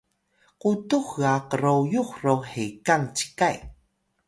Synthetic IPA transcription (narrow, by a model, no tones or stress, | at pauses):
qutuxɣaqəɾojuxrowħekaŋt͡ɕi̥kaj